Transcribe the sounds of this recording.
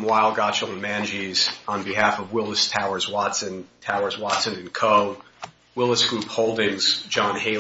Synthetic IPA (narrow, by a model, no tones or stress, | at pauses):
mwaɪlˠɡɑt̚ʃɪlˠə̃mæ̃nd͡ʒiz̥n̩biɦæfʌvwɪlˠəstʰaʊə˞zwɑtsɨ̃ntʰaʊə˞zwɑtsɨ̃nɨ̃nkʰoʊ | wɪlˠəsɡ̥ɹuphoʊlˠdɪ̃ŋz̥d͡ʒɑ̃nheɪ